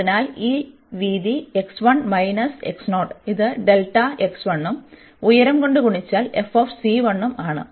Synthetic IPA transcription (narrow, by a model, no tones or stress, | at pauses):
inaːliː | ʋiːd̪ie̞ksʋɐɳmɐjnɐsḛksno̞ːʈiðɨɖe̞lʈːɐe̞ksʋɐɳːum | ujɐɾɐmko̞ɳɖɨkuɳit͡ɕːaːle̞foːfsiːʋɐɳːɐmaːɳɨ̰